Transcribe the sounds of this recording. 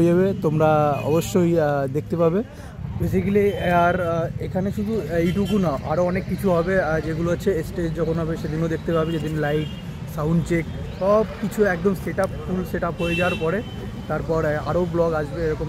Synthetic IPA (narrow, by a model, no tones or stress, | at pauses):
ed͡ʑaβet̪omɾaɔ̰boʃːojd̪ek̚ʰt̪epabe | bes̬ikliaɾekʰaneʃud̪ʱuejʈuk̬unaʔa̰ɾoɔnekːit͡ɕʰuɦɔbed͡ʑeɡuloaːt͡ɕʰeesʈed͡ʑd͡ʑɔkʰonɦɔbeʃed̪inod̪ek̚ʰt̪epabed͡ʑed̪inlajʈ | sawɳɖt͡ɕek | ʃɔbkit͡ɕʰuɛk̚d̪omseʈapfulseʈapɦojed͡ʑawaɾpɔɾe | t̪aɾpɔɾa̰ɾoblɔɡaʃbeeɾɔkom